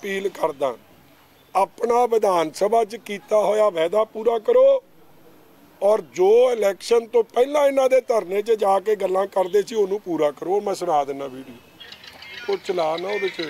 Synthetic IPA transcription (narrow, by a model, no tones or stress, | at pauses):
piːlkəɾd̪ã̰ː | aːpnaːʋɪd̪aːnsəbaːt͡ʃkiːt̪aːɦoːjaːʋɛːd̪aːpuːɾaːkəɾoː | ɔːɾd͡ʒoːɪlɛːkʃənt̪õːpɛːlãːɪnãːd̪eːt̪əɾnẽːt͡ʃəd͡ʒaːkeːɡəlːãːkəɾd̪eːsiːonũːpuːɾãːkəɾoːmɛ̃sənaːd̪nãːbiːɖiː | t̪ot͡ʃəlaːnãːoːbɪt͡ʃ